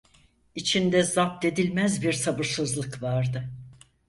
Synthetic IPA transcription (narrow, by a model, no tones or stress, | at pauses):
it͡ʃʰind̪ɛzap̚t̪e̞d̪ilʲmæzbiɾsabɯɾsɯzlˠɯkvaɾd̪ɯ